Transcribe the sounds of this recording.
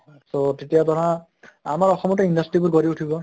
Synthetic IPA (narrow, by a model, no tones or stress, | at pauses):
sotetijatɔɹã | amaɹɔxɔmɔtɔindastɹibuɹɡoɹiuʈʰibɔ